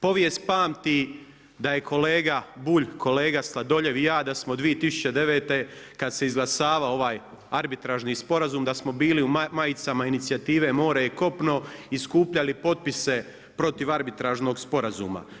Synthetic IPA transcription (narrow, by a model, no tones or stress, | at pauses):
po̞ʋje̞st̪paːmt̪i | d̪aje̞kʰo̞le̞ːɡabuːʎkʰo̞leːɡaslˠad̪o̞ʎe̞ʋjaːd̪asmod̪ʋijet̪isu̥t͡ɕed̪e̞ʋe̞ːt̪e̞kad̪seizɡlˠasaːʋao̞ʋaːj | aɾbit̪ɾaʒniːspo̞ɾazuːmd̪asmo̞biːliumajit̪samainit̪siat̪iːʋe̞mo̞ːɾajeko̞pno̞iskuːpʎalipo̞t̪̚pise̞ | pɾo̞t̪iʋaɾbit̪ɾaʒno̞ɡspo̞ɾazuːma̰